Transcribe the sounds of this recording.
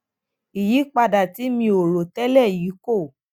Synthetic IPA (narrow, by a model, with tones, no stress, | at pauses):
i˨ji˨˦k͡pa˧da˨ti˨˦mĩ˧o˨ɾo˨tɛ˦lɛ˦˨ji˨˦ko˦˨